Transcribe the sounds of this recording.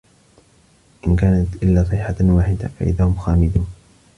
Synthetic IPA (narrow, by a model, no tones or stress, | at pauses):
ʔɪnkaːnat̪ʔɪlːaːsˤɪħawaːħɪd̪a̰fa̰ʔɪ̰ðaːhʊmxaːmɪd̪uːn